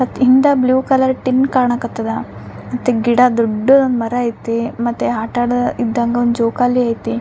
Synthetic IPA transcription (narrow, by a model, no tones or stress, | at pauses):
ɐt̪ind̪ɐbljuːkɐlɐɾʈinkaːɾɳakɐt̪ːɐd̪ɐmɐt̪ːeɡiɽad̪ɔɖːuonmɐɾɐːjt̪ːemɐt̪ːeɦaːʈaːɽid̪ːɐŋɡɐond̪d͡ʒoːkaːlːiaːjt̪e